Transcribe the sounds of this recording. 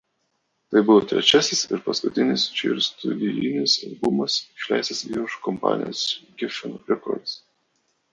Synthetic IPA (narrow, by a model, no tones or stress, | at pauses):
t̪ɐɪbʊʋot̪ʲɾʲɛ̰t͡ʃʲæsʲɪsɪɾpɐskʊt̪ʲɪnʲɪst͡ʃʲɪ̰ɾʲst̪ʊlʲilʲɪnʲɪsɐ̰lʲbʊmɐsʃʲlʲæ̰ɪsɐsḭʊʃkɔmpɑ̰ːnʲɪjo̰sɡʲɪfʲɪnɾʲɛkɔ̰ɾd̪s